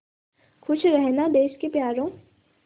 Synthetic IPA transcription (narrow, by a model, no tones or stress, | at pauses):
kʰʊʃʰɾɛɦnad̪eːʃkepjaːɾõː